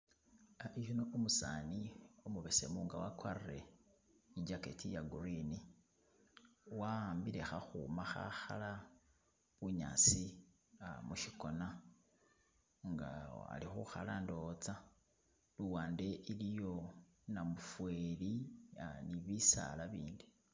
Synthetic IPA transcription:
iʒonoomusaːniomuβese̞̰muŋɡawakwarire̞̰ | id͡ʒaketijaɡuɾini | wambiɾe̞xaxṵmaxa̰xala | βuɲa̰t͡si | muʃiko̞na | ŋɡa̰a̰lixuxalando̞t͡sa | luwaːnde̞ʔilijo̞namufweliniβisa̰laβiːndi

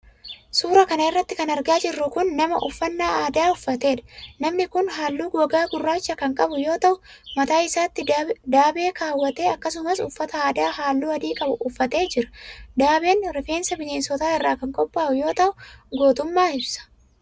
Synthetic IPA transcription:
suːɾɐkɐnɐɪrːɐt̪ːɪkɐnɐɾɡaːd͡ʒɪrːʊkʊnːɐmɐʔʊfːɐnːaːaːd̪aːʊfːɐt̪e̞ːᶑɐ̥nɐmnɪkʊnɦaːlːuːɡwɐɡaːɡʊrːaːt͡ʃːɐkɐŋkʼɐbʊjo̞ːt̪ɐʔʊmɐt̪aːɪsaːt̪ːɪd̪aːbe̞ːkaːwːɐt̪eːɐkːɐsʊmɐsʊfːɐt̪ɐaːd̪aːɦaːlːuːɐd̪iːkʼɐbʊʊfːɐt̪e̞ːd͡ʒɪɾɐ̥d̪aːbe̞ːnɾɪfe̞ːnsɐbɪʃeːnsɔt̪aːɪrːaːkɐŋkʼɔpʼːaːʔʊjo̞ːt̪ɐʔʊɡoːt̪ʊmːaːɪbsɐ̥

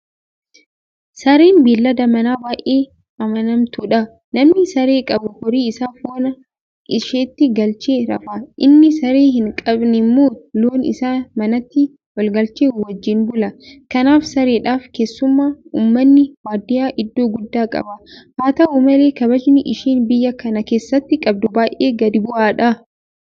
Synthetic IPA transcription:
sɐɾeːnbiːlːɐd̪ɐmɐnaːbaːʔeː | ɐmɐnɐmt̪uᶑɐ | nɐmnɪsɐɾe̞ːkʼɐbʊhɔɾiːɪsaːfoːnɐ | ɪʃeːt̪ːɪɡɐlt͡ʃeːɾɐ̰fɐʔɪnːɪsɐɾeːɦɪŋkʼɐbnɪmːoːloːnɪ̰saːmɐnɐt̪ːɪ | wɐlɡɐlt͡ʃeːwɐd͡ʒːɪnbʊlɐkɐnaːfsɐɾeːᶑaːfke̞ːsːʊmːaːuːmːɐnːɪwaːd̪ɪjaːʔɪd̪ːo̞ːɡʊd̪ːaːkʼɐ̰bɐhaːt̪ɐuːmɐle̞ːkɐbɐd͡ʒnɪʔɪʃiːnbɪjːɐkɐnɐke̞ːsːɐt̪ːɪkʼɐb̚d̪ʊbaːjʔeːɡɐd̪ɪbʊʔaːᶑɐ

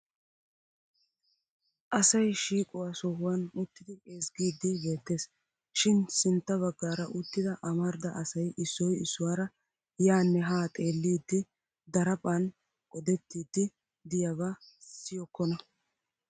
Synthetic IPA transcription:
ʔɐsɐjʃiːkʼɔwaːsɔhʊwɐnʊt̪ːɪd̪ɪeːsɡiːd̪ːɪbe̞ːt̪ːe̞ːs | ʃɪnsɪnt̪ːɐβɐɡːaːɾɐʔʊt̪ːɪd̪ɐʔɐmɐɾd̪ɐʔɐsɐjʔɪsːɔjɪsːʊwaːɾɐ | jaːnːɛɦaːt̪ʼe̞ːlːiːd̪ːɪ | d̪ɐɾɐpʼɐn | ʔɔd̪ɛt̪ːiːd̪ːɪ | d̪ɪjɐβassɪjɔkːɔnɐ

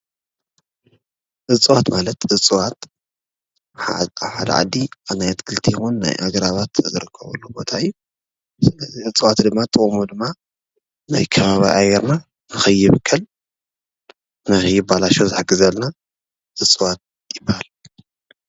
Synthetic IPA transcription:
ʔɨt͡sʼɨwat̪malɐt̪ʔɨt͡sʼɨwat̪ | ħad̪ɐ̰ʕa̰d̪ːianajt̪kʰɨlt̪ʰijɪxunːa̰jʔa̰ɡɐɾaβat̪zɨɾɨkʰːɐβɐ̰lːubo̞̰t̪ʰaɨjːu | sɨlɐziɨt͡sʼɨwat̪d̪ɨmːat̪ʼɨkʼmud̪ɨmːa | na̰jkʰɐβaβiʔajɛɾna | nɨxɐjːɪβɨkʰːɐl | nahɨjubalaʃozɨħɨɡɨzɐlna | ʔɨt͡sʼɨwat̪̚ | jɪbːahal

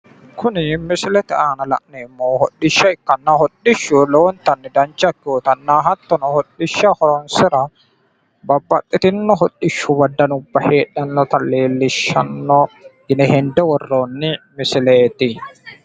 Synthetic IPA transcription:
kʰʊnɪmɪsɪlɛt̪ɪaːnɐlɐ̰ʔnɛːmːoːhɔᶑːɪʃːɐɪkːɐnːahɔᶑɪʃːʊloːɔnt̪ɐnːɪd̪ɐnd͡ʒɐkːuːt̪ɐnːaːɦɐt̪ːɔnɔhɔᶑɪʃːɐhɔɾɔnsɪɾɐ | bɐbːɐtʼːɪt̪ɪnːɔɦɔᶑːɪʃːʊbɐd̪ːɐnʊbːɐheːᶑɐnːɔt̪ɐlːeːlːɪʃːɐ̰nːɔ | ɪnɛhɛnd̪ɛwɔrːoːnːɪmɪsɪleːt̪ɪ

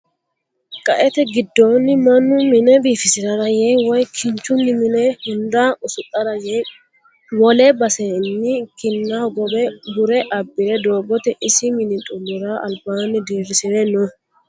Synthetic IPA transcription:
kʼɐʔɛt̪ɛɡɪd̪ːoːnːɪmɐnːʊmɪnɛbiːfɪsɪɾɐɾɐjɛwɔjkʰɪɲt͡ʃːʊnːɪmɪnɛhɪnd̪aʊsʊt̪ʼːɐɾɐjɛj | wɔlɛbɐsɛnːɪkɪnːaɡɔbɛbʊɾɛʔɐbːɪɾɛd̪o̞ːbɔt̪ɛʔɪsɪmɪnɪt̪ʼʊmːʊɾaɐ̰lbaːnɪd̪eːfɪsɪɾɛnɔ

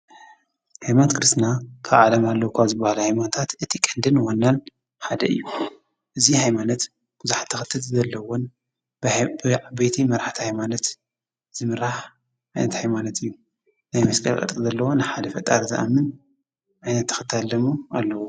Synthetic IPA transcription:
hajmant̪kʰɨɾɨst̪nakʰaβʕalɐmalːɐwkʰazɨbahalɐhajmanɐt̪ʰat̪ʔɨt̪ʰikʼɨnd̪ɨnwonːan | ħad̪ɐɨ̰jːu | ʔɨzihajmanɐt̪ | b̥uzuħḁt̪ʰːɐxɨt̪ʰːɨt̪zɐlːɐwon | bbbejt̪ʰimɐɾaħt̪ʰihajmanɐt̪ | z̥ɨmɨɾaħ | ʔajnɐt̪hajmanɐt̪ʰɨjːu | najmɐskʼɐ̰lkʼɐ̰t̪ʼizɐlːɐwonɨħad̪ɐfɐt̪ʼaɾzɨʔa̰mːɨn | ʔajnɐt̪ʰːɐ̥xɨt̪ʰːalːɐmualːɐwo

